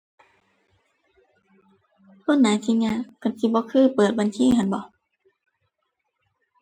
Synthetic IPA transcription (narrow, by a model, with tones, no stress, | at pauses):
kʰo˧˥˨nːaː˨˦jt̪ʰiː˧ɲa˧˨ka˧˩nsi˧˦bɔː˧˦kʰɯː˧˥˨pɤː˨˩t̪̚ba˨˧˨nsʰiː˧˥˨hʰa˧˨nbɔ˨˧˦